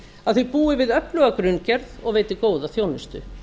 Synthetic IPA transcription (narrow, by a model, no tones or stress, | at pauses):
aðθʏpuːɪvɪðœplœɣakɾʏnːcɛɾðɔɣveːjt̪ɪkoːwðaθjownɪst̪ʏ̰